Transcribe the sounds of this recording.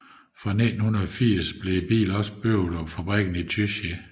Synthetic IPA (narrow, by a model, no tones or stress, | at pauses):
fʁɑ̈ned̥n̩hunɐðˠfiɐ̰sb̥le̝b̥ḭːlɒ̽sb̥øʊð̩ˠɒ̽mfæb̥ʁɛɡ̥n̩it͡sʰyɕə